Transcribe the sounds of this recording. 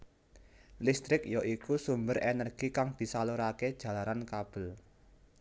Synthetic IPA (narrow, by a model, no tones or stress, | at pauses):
list̪ɾɪk̚jɔʔikusumbərʔɛnərɡ̥ikaŋd̪̥i̤saloɾaked̥ʒ̥ä̤laɾankab̥ə̤l